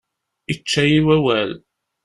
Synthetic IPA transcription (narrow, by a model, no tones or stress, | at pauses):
it͡ʃːæjiwæwæl